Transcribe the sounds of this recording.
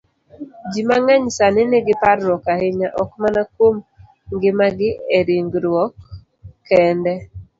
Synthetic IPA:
d͡ʒimaŋaɲsanɪnɪɡɪpaɾːɔkahɪɲaʔɔkmanakwom | ŋɡɪmaɡɪeɾiŋɡɾwɔkː | ɛndɛ

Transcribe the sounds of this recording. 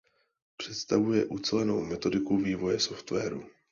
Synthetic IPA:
pr̝̥ɛt̪st̪avujɛʔut͡sɛlɛno̞wmɛt̪o̞dɪkuviːvo̞jɛso̞ft̪vɛːɾu

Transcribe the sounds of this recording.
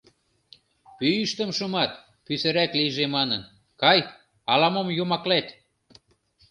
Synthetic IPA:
pyyʃt̪ə̆mʃumɑt̪ | pysɘ̆ɾæklijʒemɑnən | kɑj | ɑlɑmomjomɑklet̪

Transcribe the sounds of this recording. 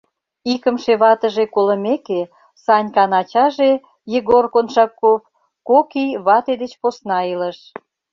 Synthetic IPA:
ikə̆mʃeβɑt̪əʒekolə̆meke | sɑnʲkɑnɑt͡ɕɑʒe | jeɣorkonʃɑkːop | kokijβɑt̪ed̪et͡ɕposnɑiləʃ

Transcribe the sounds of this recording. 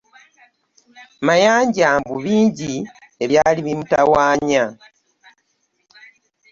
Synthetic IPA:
majaːɲɟaːmbuβiːɲɟi | eβjaːliβimutawaːɲa

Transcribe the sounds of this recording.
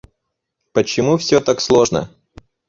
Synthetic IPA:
pət͡ɕɪmufsʲot̪akslˠoʐnə̰

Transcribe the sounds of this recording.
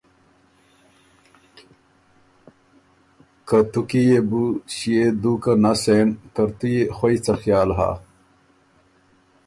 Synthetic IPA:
kɐt̪ukijebuɕijed̪ukɐnaseːnkɐɾt̪ujexoit͡sɐxjaːlɦa̰ː

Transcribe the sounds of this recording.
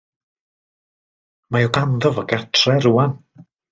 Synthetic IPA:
majɔɡand̪ɔvaɡatʰrɛruːan

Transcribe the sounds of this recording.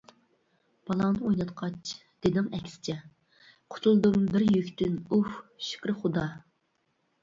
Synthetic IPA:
b̥ɑlˠɑŋnɨojnɑt̪qʰɑt͡ʃ | d̪̥ed̪ɪŋɛkʲsɪ̥t͡ʃʰɛ | qʰʊ̥t̪ʰulˠd̪umbɪɾjøkʲt̪ɪnufʃɪ̥kʲɾɨχʊd̪ɑ

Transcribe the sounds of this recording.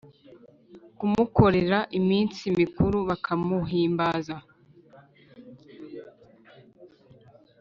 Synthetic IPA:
kumuko̞ɾeɾaʔimiːnt͡simikuɾuβakʰamuɦiːmbaza

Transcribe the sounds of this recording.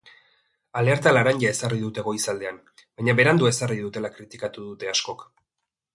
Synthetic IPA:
ale̞ɾt̪alaɾaɲɟae̞sariðut̪e̞ɣo̞isald̪e̞am | baɲaβe̞ɾand̪ue̞sariðut̪e̞lakɾit̪ikat̪uðut̪e̞asko̞k

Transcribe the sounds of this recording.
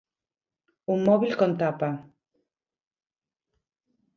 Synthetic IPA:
ummoβilkont̪apa

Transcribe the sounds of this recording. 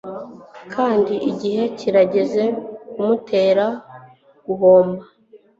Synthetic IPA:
kʰaːndiʔiɟihe̞ciɾaɟe̞ze̞kumutʰe̞ːɾa | ɡ̥uɦo̞ːmba

